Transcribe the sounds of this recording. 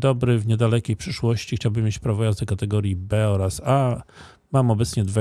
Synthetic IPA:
d̪ɔbɾɘvɲɛd̪alɛkʲejpʂɘʂwɔɕt͡ɕixt͡ɕawbɘmʲːjet͡ɕpɾavɔjazd̪ɔkat̪ɛɡɔɾʲjibɛɔɾasa | mamɔbɛt̪sɲɛd̪va

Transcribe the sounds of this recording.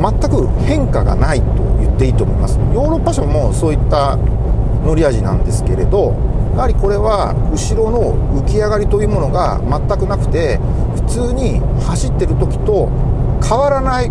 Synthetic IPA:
mat̪ːakɯ̟hẽ̞ŋkaɡa̰nait̪o̞̰jɯ̟t̪ːe̞it̪omo̞imasɨ̥jo̞ːɾo̞pːaɕomo̞so̞ːit̪ːa | no̞ɾʲiaʑinã̰nd̪e̞sɨ̥ke̞ɾe̞̰d̪o̞jahaɾʲiko̞ɾe̞βa | ɯ̟ɕiɾo̞no̞ɯ̟kʲiaɡaɾʲit̪o̞jɯ̟ːmo̞no̞ɡa̰ | mat̪ːakɯ̟nakɯ̟̥t̪e̞ | ɸɯ̟̥t͡sɨːɲ̟i | haɕit̪ːe̞ɾɯ̟t̪o̞kʲi̥t̪o̞ | kʰaβaɾanai

